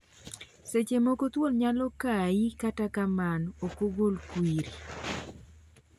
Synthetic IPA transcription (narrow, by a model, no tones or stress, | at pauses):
set͡ʃemokot̪wolɲalɔkaikatakamanokoɡolkwiɾi